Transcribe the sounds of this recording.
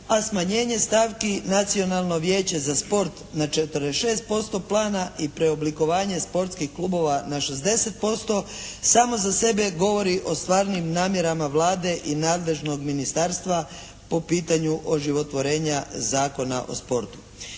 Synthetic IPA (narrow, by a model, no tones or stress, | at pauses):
asmaɲe̞ːɲe̞st̪aːʋkinat̪sio̞nalˠno̞ʋje̞ːt͡ɕe̞zaspo̞ɾt̪nat͡ʃet̪əɾd̪eʃeːst̪̚po̞st̪o̞plˠaːnaʔipɾeobliko̞ʋaːɲe̞spo̞ɾt̪skixkluːbo̞ʋanaʃe̞zd̪e̞se̞t̪̚po̞st̪o̞saːmozase̞be̞ɡo̞ʋo̞ɾiʔo̞st̪ʋaːɾnimnaːmje̞ɾamaʋlaːd̪e̞ʔinaːd̪le̞ʒno̞ɡminist̪aɾst̪ʋa | po̞piːt̪aɲuʔoʒiʋo̞t̪ʋo̞ɾe̞ːɲazaːko̞na̰ʔo̞̰spo̞ɾt̪u̥